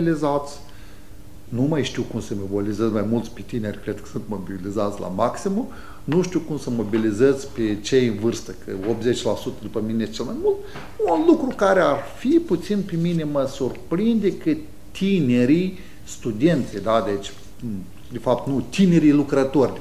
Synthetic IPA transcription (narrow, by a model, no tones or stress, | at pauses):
lizat̪sʲ | numajʃt̪iwkumsəmebolizəzʲmajmult̪sʲpet̪inerʲkɾed̪̚kə̥sɨnt̪mobilizat̪sʲla̰maksimu | nuʃt̪iwkumsəmo̞bilizəzʲpet͡ʃejɨnvɨrst̪əkə̰o̞p̚t̪zet͡ʃʲlasut̪əd̪upəminejt͡ʃelmajmult̪ | unlukɾukaɾearfiput̪sinpemine̞məsurpɾind̪ekə | t̪ine̞ɾij | st̪ud̪e̞nt̪sʲed̪ad̪et͡ʃʲ | d̪efap̚t̪nut̪ine̞ɾijlukɾət̪orʲ